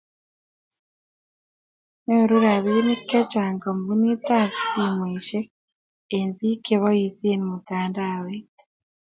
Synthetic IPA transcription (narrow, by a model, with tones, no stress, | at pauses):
ne˦o˨ɾu˦ɾa˨βi˦ne˦kːɛ˦t͡ʃa˨ŋɡɔ˨mbu˦ni˦ta˦βsi˦mwe˨ʃe˦ | e˨nβi˦ke˦βɔ˦jisi˦e˦ni˨mu˨taːndawet